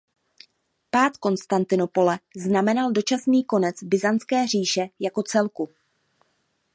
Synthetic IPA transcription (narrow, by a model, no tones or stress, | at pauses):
paːt̪ko̞nst̪ant̪ɪno̞po̞lɛznamɛnaldo̞t͡ʃasniːko̞nɛt͡sbɪzant͡skɛːr̝iːʃɛjako̞t͡sɛlku